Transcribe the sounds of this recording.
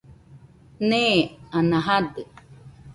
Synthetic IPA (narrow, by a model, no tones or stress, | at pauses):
neanãɦad̪ɯ